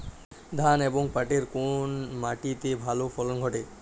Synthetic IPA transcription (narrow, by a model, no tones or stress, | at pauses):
d̪ʱaneboŋpaʈeɾkonmaʈit̪ebʱalofɔlonɡʱɔʈe